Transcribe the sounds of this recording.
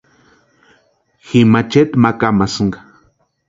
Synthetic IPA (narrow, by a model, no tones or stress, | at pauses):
ximat͡ʃet̪makamasɨŋɡḁ